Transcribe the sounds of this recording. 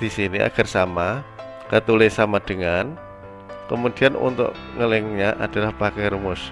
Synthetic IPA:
d̥isiniʔa̰ɡ̥arsama | kət̪ulɪsamad̥əŋan | kəmud̥ianṵnt̪ʊ̰ʔ | ŋəlɪŋɲaʔad̥a̤lahpakɛrmʊs

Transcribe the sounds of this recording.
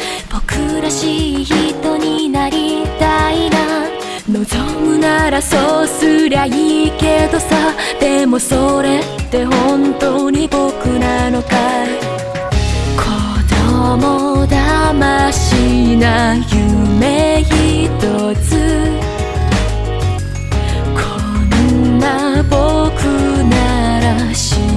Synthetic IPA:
b̥o̞kɯɾaɕiçit̪o̞ɲ̟inaɾʲit̪aina | no̞zomɯ̟naɾasosɨɾaike̞d̪o̞sad̪̥e̞mo̞so̞ɾe̞t̪ːe̞hõnt̪oɲ̟ibo̞kɯ̟ɾanoka | kʰod̪omod̪amaɕinajɯme̞çit̪o | t͡sɨ | kʰo | nnːabokʰɯnaɾaɕi

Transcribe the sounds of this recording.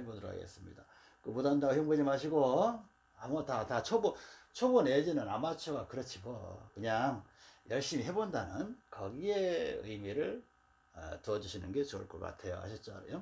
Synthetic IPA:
hebodɯɾo̰kʰa̰ɡḛs͈ɯmɲḭda | kɯmodandaɡjoŋbud͡ʑimaɕ̬ʰiɡo | amʌtatat͡ɕʰobot͡ɕʰoboned͡ʑinɯnamat͡ɕʰoɡakɯɾʌt͡ɕʰibokɯɲaŋjʌɭɕ͈imiɦe̞bondanɯnkʌɡie̞ɯ̰imiɾɯɭ | ʌ̰tuʌd͡ʑuɕʰinɯnɡe̞t͡ɕo̰ɭk͈ʌk͈a̰tʰe̞jo̰a̰ɕʰit͡ɕ͈ajo

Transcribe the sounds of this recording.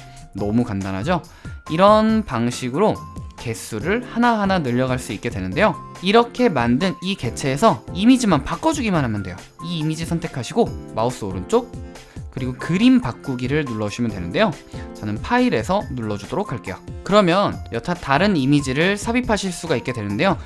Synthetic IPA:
nʌmukandanɦa̰d͡ʑo | iɾʌnpaŋɕʰiɡɯɾoke̞s͈ʰuɾɯɭhanaɦananɯʎːʌɡaɭs͈uik͈e̞dwe̞nɯnde̞joiɾʌkʰe̞mandɯnike̞t͡ɕʰe̞ːsʰʌimid͡ʑimanpak͈ʌd͡ʑuɡimanɦamjɯndwe̞jo | iːmid͡ʑisʰʌntʰe̞kʰaɕʰiɡomaus͈ɯoɾɯnt͡ɕ͈ok̚ | k͈ɯɾiɡokɯɾimpak̚k͈uɡiɾɯɭnuɭːʌɕʰimjʌndwe̞nɯnde̞jo | t͡ɕʌnɯnpʰaiɾe̞sʰʌnuɭːʌd͡ʑudoɾok̚ʰaɭk͈e̞jokɯɾʌmjʌnjʌtʰataɾɯnimid͡ʑiɾɯɭsʰabipʰaɕʰiɭs͈uɡaik͈e̞dwenɯnde̞jo

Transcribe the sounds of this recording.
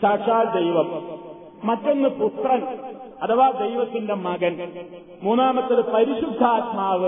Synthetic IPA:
saːʈʂaːld̪ejʋɐmː | ɐtːo̞nːɨput̪rɐnɐt̪ʰɐʋaːd̪e̞jʋɐt̪ːinde̞mɐɡɐn | muːnːaːmɐt̪ːɐðɨpɐɾiɕud̪ʱːaːt̪maːʋɨ

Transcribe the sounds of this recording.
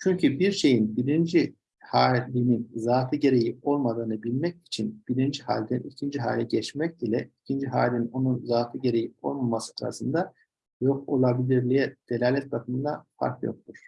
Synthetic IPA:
t͡ʃʰyɲcʰybiɾʃe̞jinbiɾind͡ʒi | haːlʲininzaːfɯɟe̞ɾe̞jio̞lˠmad̪ɯːnɯbilʲmɛc̚i̥t͡ʃʰinb̥iɾind͡ʒihaːlʲd̪ɛnicʰind͡ʒiɦa̰ːlʲɛɟɛt͡ʃmɛc̚ilʲɛicʰind͡ʒiɦaːlʲinino̞nunzaːfɯɟe̞ɾe̞jio̞̰lˠmamasɯ̥aɾa̰sɯnd̪a | jo̞ko̞̰lˠabilʲiɾlʲijɛd̪̥e̞lʲaːlʲɛt̪̚bakʰɯmɯnd̪afa̰ɾkjo̞̰k̚t̪ʰuɾ̥

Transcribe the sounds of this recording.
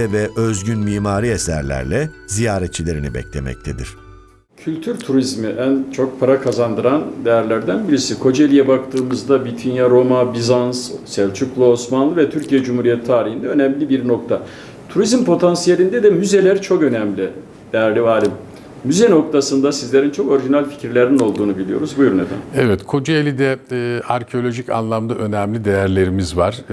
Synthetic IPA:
ɛvɛʔøzɟynmiːmaːɾiesæ̰ɾlʲæ̰ɾlʲɛzijaːɾɛt̪̚t͡ʃʰːilʲe̞ɾinibɛ̰c̚t̪ʲemɛ̰c̚t̪ʰed̪iɾ̝̥ | cʰylʲt̪ʰyɾt̪ʰuɾizmiʔænt͡ʃʰo̞k̚pʰaɾakʰazand̪ɯɾand̪ɛjæɾlʲæɾd̪ænbiɾisikʰo̞d͡ʒe̞lʲijɛbakt̪ʰɯːmɯzd̪abit̪ʰinjaɾo̞mabizanssɛvt͡ʃʰyklˠuo̞smanlˠɯvɛt̪ʰyɾcijɛd͡ʒumhuɾijɛt̪ʰːaːɾihind̪ɛø̞nɛmlʲibiɾno̞k̚t̪ʰa | t̪ʰuɾizmpʰo̞t̪ʰansijelʲind̪ɛd̪ɛmyze̞lʲeɾit͡ʃʰo̞kø̞nɛmlʲi | d̪̥ɛɾlʲivaːlʲimː | yzɛno̞k̚t̪ʰasɯnd̪asizlʲe̞ɾint͡ʃʰo̞ko̞ɾiʒinalʲfi̥ciɾlʲeɾinino̞lˠd̪uːnubilʲijo̞̰ɾuzbujuɾuned̪æ̰nɛvɛt̪kʰo̞d͡ʒaelʲid̪ɛaɾcʰeo̞lʲo̞ʒica̰nlˠamd̪aʔø̞næmlʲid̪ejæɾlʲe̞ɾimizvaɾ̥

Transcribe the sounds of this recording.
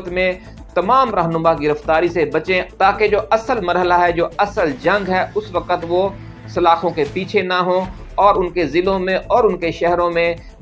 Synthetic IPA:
t̪mẽ | t̪ɐmaːmɾɐɦnʊmaɡɪɾəft̪aːɾisebɐt͡ʃẽt̪aːked͡ʒoːʔɐsəlmɐɾɦəlaɦɛd͡ʒoːɐsəld͡ʒɐ̃ŋɡɦɛʊsʋɐkət̪ʋo | sɐlaːxõkepiːt͡ʃʰenaɦõ | ɔːɾʊnkezɪlõmẽʔɔːɾʊnkeʃɛɦɾõmẽ

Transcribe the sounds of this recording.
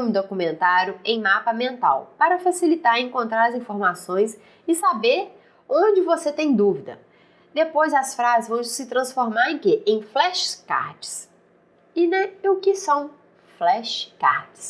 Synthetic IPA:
mʊd̪okumẽnt̪aɾjʊẽj̃mapɐmẽnt̪a̰wpaɾɐfasilit̪aɾẽŋkõnt̪ɾaɾɐzĩfoɾmasõj̃s | ɪsabeɾ | õd͡ʒɪvoset̪ẽj̃d̪uvid̪ɐ | d̪epojzɐsfɾazɪzvɐ̃w̃d͡ʒsɪt̪ɾɐ̃sfoɾmaɾẽj̃kɪʔẽj̃flɛʃka̰ɾd͡ʒɪ̥s | ɪnɛ̃ʊkɪsɐ̃w̃ | flɛʃka̰ɾd͡ʒɪ̥s

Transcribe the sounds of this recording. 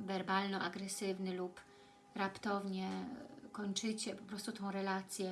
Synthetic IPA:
vɛɾbalnɔʔaɡɾɛsɘvnɘlup | ɾapt̪ɔvɲɛkɔɲt͡ʂɘt͡ɕɛpɔpɾɔst̪ut̪ɔ̃w̃ɾɛlat̪sʲjɛ

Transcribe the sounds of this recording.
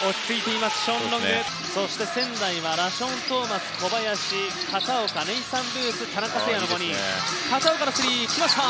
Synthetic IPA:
o̞t͡ɕʲi̥t͡sɨit̪e̞imasɨ̥ɕõnɾõŋɡɯ | so̞ɕi̥t̪e̞sẽ̞nd̪aiβaɾaɕõ̞nt̪o̞ːmat͡sɨ̥ko̞bajaɕi | kasaokaneĩsãmbɯːt͡sɨt̪ʰanakasejanoɡo̞ɲ̟ikasaokaɾasɨɾʲikʲimasa

